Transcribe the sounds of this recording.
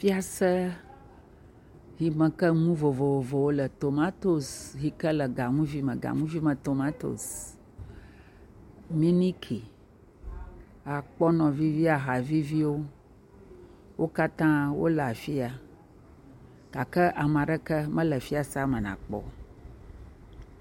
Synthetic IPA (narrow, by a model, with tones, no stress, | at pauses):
fi˦a˨sə˦ | ɦi˨mə̃˨kə˦ŋũ˦vo˨vo˨vo˨vo˨wo˦lə˨t̪o˨mã˦t̪o˦sɦi˦kə˦lə˨ɡa˨ŋũ˦vi˦mə̃˨ɡa̰˨ŋũ˦vi˦mə̃˨t̪o˨mã˦t̪o̰˨s | mi˦ni˦kʰi˨ | a˨k͡pɔ˦nɔ̃˨vi˦vi˦a˨ɦa˨vi˦vi˦wo˦ | wʔo˦ka˦t̪ã˦wo̰˦lə˨a˨fi˦a˨ | ɡ̥a˨kə˦ʔa˨m˨ã˨ɖə˦kə˦mə̃˦lə˨fi˦a˨sa˦mə̃˨nã̰˨k͡pɔ̰˨